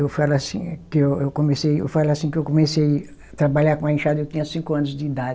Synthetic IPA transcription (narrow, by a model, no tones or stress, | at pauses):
ewfalʊasḭ̃kɪewewkõmesejḛwfalʊasĩkɪewkõmesej | t̪ɾabaʎakõɐĩʃad̪ɐewt̪ĩɲɐsĩkʊɐ̃nʊzd͡ʒɪid̪ad͡ʒɪ